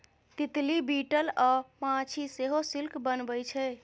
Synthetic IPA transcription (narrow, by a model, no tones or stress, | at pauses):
t̪it̪libiʈəlɔmãt͡ʃʰiseɦosilkbənbəjt͡ʃʰɛ